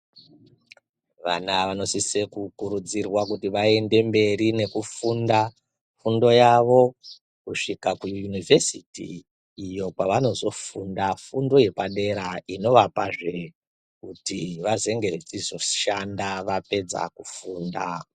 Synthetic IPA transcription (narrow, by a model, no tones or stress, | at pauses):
ʋa̰naʋano̞sisekukuɾud͡zirwakutiʋae̞nde̞mbe̞ɾine̞kufunda | fundo̞jaʋo̞ | kuʂikakujujunivʱe̞sitḭ | ijo̞kaʋano̞zo̞fundafundo̞je̞paɗe̞ɾaino̞ʋapaʐe̞ | kutiʋaze̞ŋɡe̞ret͡sizo̞ʃandaʋape̞d͡za̰kufuːnda